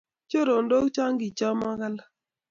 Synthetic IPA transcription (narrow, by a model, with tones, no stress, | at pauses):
t͡ʃo˦ɾo˨ndo˦kt͡ʃa˦ŋɡi˨t͡ʃa˦ma˦ka˦la˦